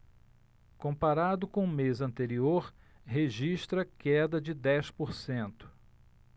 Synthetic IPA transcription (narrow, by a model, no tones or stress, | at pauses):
kõmpaɾad̪ʊkõʊ̃mezɐ̃nt̪eɾioɾ | ɦeʒiʃt̪ɾɐkɛd̪ɐd͡ʒɪd̪ɛspoɾsẽnt̪ʊ̥